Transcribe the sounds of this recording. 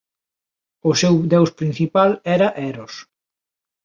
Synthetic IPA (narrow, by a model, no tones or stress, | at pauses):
ʊsewd̪ewspɾĩn̟θipalɛɾɐʔɛɾos